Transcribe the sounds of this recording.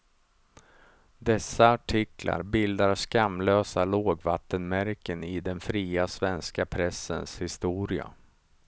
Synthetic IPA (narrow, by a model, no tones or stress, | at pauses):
d̪ɛsːaaʈʰɪkla̰ɾbɪld̪aɾskamløːsaloːɡvat̪ːənmæɾkənɪd̪ɛnfɾiːasvɛnskapʰɾɛsːənshɪst̪uːɾɪa̰